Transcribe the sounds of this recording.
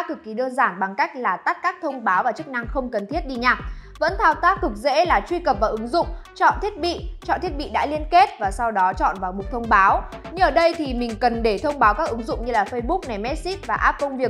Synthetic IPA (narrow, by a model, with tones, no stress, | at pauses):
a˦˥k̪ʰɨ˨˩k̚ːi˨˦ɗəː˧nzaː˧˩nɓa˨˩ŋka˦˥jk̟̚laː˨˩t̪a˦˥k̚kaː˦˥k̚t̪ʰə˧wŋ͡mɓaː˨˦wvaː˨˩t͡ɕɨ˦˥k̚na˧ŋxə˧wŋ͡mkə˨˩nt̪ʰi˦˥ət̚ɗi˧ɲaː˨˩k̚və̰˧˥nt̪ʰaː˧wt̪aː˦˥t̪ɨ˨˩k̚zḛ˧˥laː˨˩t͡ɕwi˧kə˨˩p̚vaː˨˩ʔɨ˨˦ŋzʊ̰˧˨ŋ͡mt͡ɕɔ̰˧˨nt̪ʰi˦˥ət̚ɓḭ˧˨t͡ɕɔ̰˧˨nt̪ʰi˦ət̚ɓḭ˧˨ɗa̰ː˧˥li˧ənke˦˥t̚vaː˨˩sa˧wɗɔ˨˦t͡ɕɔ̰˧˨nvaː˨˩wmʊ˨˩t̪ʰə˧wŋ͡mɓaː˨˦w | ɲɨ˧ʔəː˧˩ɗə˧jt̪ʰi˨˩mï˨˩ŋ̟kə˨˩nɗe˧˩t̪ʰə˧wŋ͡mɓaː˨˦wkaː˦˥k̚ʔɨ˨˦ŋzʊ̰˧˨ŋ͡mɲɨ˧laː˨˩fə˧jɓʊ˦˥k̚na˨˩mɛ˦˥t̚si˦˥t̚vaː˨˩ʔaː˦˥p̚kə˧wŋ͡mvi˨˩ək̚